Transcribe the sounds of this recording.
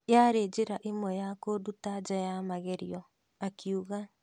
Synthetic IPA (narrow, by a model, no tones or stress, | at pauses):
jaɾed͡ʒeɾaʔimwɛjakodutad͡ʒɔjamaɣɛɾiɔ | akʰiuɣa